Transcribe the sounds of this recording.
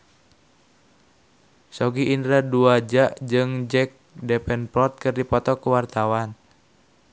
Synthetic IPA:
sɔɡiʔːndɾaduad͡ʒaʔd͡ʒɨŋd͡ʒɛk̚dɛpɛnpɔrt̪̚kɨrdipɔt̪ɔkuwart̪awan

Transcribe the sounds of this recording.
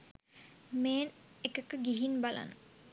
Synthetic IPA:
meːnekəkəɡiɦinbala̰n

